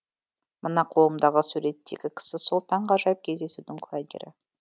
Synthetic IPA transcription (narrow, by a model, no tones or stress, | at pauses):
mənɑqʰolˠəmd̪ɑʁəsuɾe̞t̪ːe̞̰ɡʲɪkʲʰɪ̥sɪso̞lˠt̪ʰɑɴʁɑʒɑjɪp̚kʲʰe̞zd̪e̞sud̪ɪŋkʲʰlaɡʲḛɾɪ̰